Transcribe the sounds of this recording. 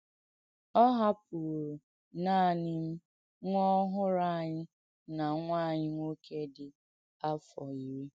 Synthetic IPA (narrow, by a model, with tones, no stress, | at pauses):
ɔ˦ɦa˦p̚u˨ɾo˨ | naː˦˨nɪ˦m̩˦ | ŋʷɔ˦ɦʊ˦ɾa˦˨ɲɪ˦ | na˨ŋʷaː˦˨ɲɪ˦ŋʷo˦kʰe˦dɪ˨ | a˦fɔ˨i˨ɾi˦